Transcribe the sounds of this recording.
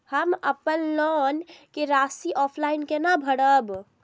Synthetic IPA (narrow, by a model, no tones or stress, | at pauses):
həməpənlɔnkeɾasiʔɔpʰlainkenəbʱəɽəb